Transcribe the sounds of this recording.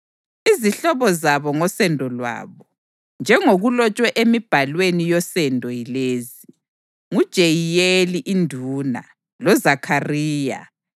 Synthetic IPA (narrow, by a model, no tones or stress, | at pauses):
iziɬɔβɔzaβɔŋɔsɛndʱɔlwa̰ːβɔ | nd͡ʒʱɛŋoɣulɔt͡ʃʼwɛʔemib̥ʱalwenijɔsɛndʱɔjileːzi | ŋud̥ʒ̥ʱejijeliʔindʱuːna̰ | lɔzakʰariːja̰